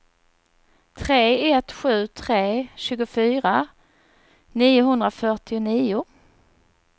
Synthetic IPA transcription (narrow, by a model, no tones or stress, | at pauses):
t̪ʰɾeːɛt̪ɧʉ̟ːt̪ʰɾeːɕʉːɡʊfyːɾa | niːʊɦɵnd̪ɾafœʈɪʊniːʊ